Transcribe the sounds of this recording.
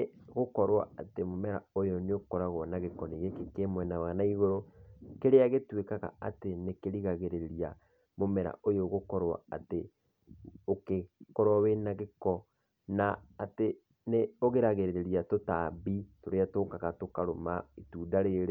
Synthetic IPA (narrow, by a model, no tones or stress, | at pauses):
ɣokɔɾwa̰atemomɛɾa̰ojoneokɔɾaɣwɔnaɣekɔniɣekekemwɛnawanaiɣoɾokeɾeaɣetwekaɣa̰atenekeɾiɣaɣeɾeɾeɾia | momɛɾa̰ʔojoɣokɔɾwa̰ate | okekɔɾwawenaɣekɔ | naːte | neoɣeɾaɣeɾeɾeɾiatotabitoɾeatokaɣatokaɾomaituːdaɾeɾe